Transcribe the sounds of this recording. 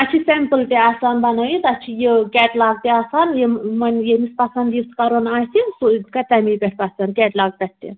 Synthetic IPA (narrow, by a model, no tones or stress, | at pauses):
at͡ʃʰisempəlt̪ʲeasaːnb̪ɐnajit̪ɐt͡ʃʰijekʲɛːʈlaːɡt̪ʲeasaːnjemɐnjemispɐsand̪iskɐɾonaːjsinsukɐt̪ʲamipʲeʈ̚ʰpɐsankʲɛːʈlaɡ̚t̪ɐt̪ʲt̪ːḛ